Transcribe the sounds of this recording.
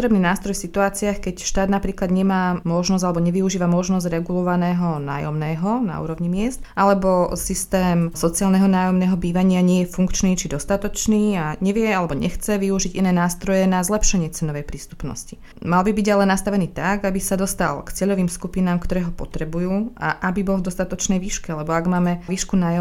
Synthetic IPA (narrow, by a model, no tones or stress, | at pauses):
t̪ɾɛbniːnaːst̪ɾɔjfsit̪uaːt͡siaxkɛcʃt̪aːd̪napɾiːklad̪ɲɛmaːmɔʒnɔzalɛbɔɲɛʋiuʒiːʋamɔʒnɔzɟɾɛɡulɔʋanɛːɦɔna̰ːjɔmnɛːɦɔna̰ṵːɾɔʋɲimɪɛst̪ʔalɛbɔsist̪ɛːmsɔt͡siaːlnɛɦɔnaːjɔmnɛːɦɔbiːʋaɲɪaɲɪɛjɛfuŋkt͡ʃniːt͡ʃid̪ɔst̪at̪ɔt͡ʃniːaɲɛʋɪɛalɛbɔɲɛ̰xt͡sɛʋiuʒiɟinɛːnaːst̪ɾɔjɛnazlɛpʃɛɲɪɛt͡sɛnɔʋɛjpɾiːst̪u̥pnɔ̰sci | malbibiɟalɛnast̪aʋɛniːt̪aɡabisad̪ɔst̪a̰lkt͡sɪɛʎɔʋiːmskupinaːmkt̪ɔɾɛːɦɔpɔt̪ɾɛbujuːa̰ʔabibɔlˠvd̪ɔst̪at̪ɔt͡ʃnɛjʋiːʃkɛalɛbɔaɡmaːmɛʋiːʃkunaːjɔ